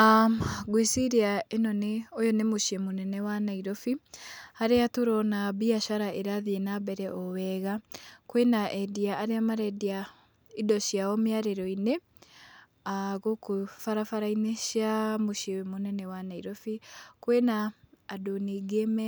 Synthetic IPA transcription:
aɡwesiɾiaenɔneojɔnemoʃiemonɛnɛwanaiɾɔfihaɾeatoɾɔnaβiaʃaɾaʔeɾaðienaβɛɾɛʔɔwɛɣakwenaʔɛdiaʔːɾeamaɾɛdia | idɔʃiaɔmiaɾeɾɔine | aɣokufaɾafaɾaineʃiamoʃiemonɛnɛwanaiɾɔfikwenaːdoniɡemɛ

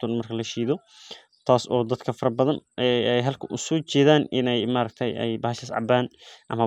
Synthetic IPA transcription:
t̪ʰʊnmɐrkʰɐlɐʃiːðɔ | t̪ʰaːsɔːd̪ɐd̪kʰɐfɐɾbɐðɐnʔɛɛjɦɐlkʰɐʔʊsuːt͡ʃɛːðaːnɪnɛjmaɾɐɡ̚t̪ʰɐjɛ̰jbɐːhɐʃɐsʕɑ̰baːnʔɐmɐ

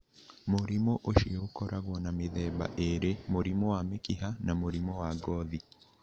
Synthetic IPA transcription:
moɾimoʔoʃiokɔɾaɣwɔnameðɛba̰ʔeɾemoɾimɔwamekiɦanamoɾimɔwaɡɔði

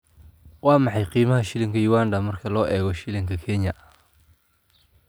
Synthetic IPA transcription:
wɑːmɑħɑjqiːmɐɦɐʃɪlɪŋkʰɐjuːwaːnd̪ɐmɐrkʰɐlɔːʔɛːɣɔʃɪlɪŋkʰɐkʰɛɲjɐ

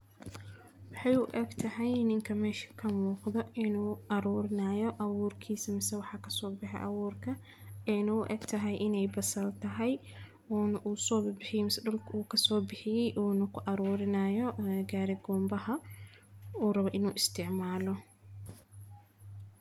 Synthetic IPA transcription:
wɑħɑjʊʔɛɡt̪ʰɐɦɛjnɪŋkʰɐmɛːʃɐ̥kʰɐmuːqðɔɪnuːʔɐɾuːɾɪnɐːjɔʔɐβuːrkʰiːsɐmɪsɛwɑħɑkʰɐsɔːbɪħɛ̰jʔɐ̰wuːrkʰɐ | ɛnɐʊʔɛ̰ːɡt̪ʰɐɦɛjʔɪnɛjbɐsɐlt̪ʰɐɦɛj | ɔːnʔuːsɔːbbɪħɪjɛmɪsɖɔlkʰuːkʰɐsɔːbɪħɪjɛjʔuːnɐkʰʊʔɐɾuːɾɪnɐːjɔɡaːɾɪɡɔːmbɐhɐ | uːrɐβɔʔɪnuːʔɪst̪ʰɪʕmaːlɔ

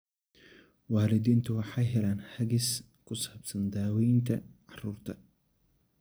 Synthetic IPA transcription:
waːlɪd̪iːnt̪ʰɐwɑħɑjɦɛlaːnhɐɣɪs | kʰʊsɐbsɐnd̪aːwijnt̪ʰɐ̰ʕɑruːrt̪ʰɐ

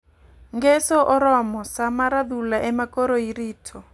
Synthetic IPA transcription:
ŋɡɛsɔʔɔɾɔmɔsamaɾad̪ulaʔɛmakɔɾoiɾiːtʰɔ

